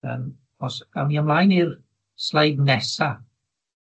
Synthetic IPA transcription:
ə̰m | ɔsamiamlˠaːjnir | slˠajbnɛsa

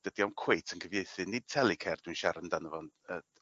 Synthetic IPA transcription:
d̥ədiɔmkʰwejtʰənkʰəvjejθɨnɪd̚tʰɛlˠikʰɛrd̥wiɨnʃaɾəndanəvɔn | ə

